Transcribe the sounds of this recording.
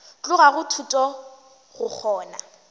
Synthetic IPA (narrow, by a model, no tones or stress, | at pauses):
t͡ɬʼʊɣaɣʊtʰutʼɔ | ɣʊk͡xʰɔːna̰